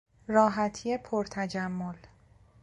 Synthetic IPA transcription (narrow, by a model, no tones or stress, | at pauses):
rɒːɦæt̪ʰijepʰoɾt̪ʰæd͡ʒæmːol